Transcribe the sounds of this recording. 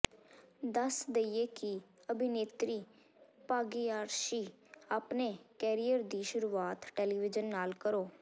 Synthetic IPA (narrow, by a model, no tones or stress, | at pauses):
d̪əsd̪eieːkɪəbʱɪneːt̪ɾiː | paːɡiːaːɾʃiː | aːpneːkɛːɾijəɾd̪iːʃʊɾuːaːt̪ʈɛːliːʋɪd͡ʒənːaːlkəɾoː